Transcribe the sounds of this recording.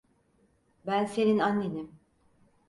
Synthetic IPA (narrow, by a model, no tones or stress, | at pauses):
bænse̞ninanːenim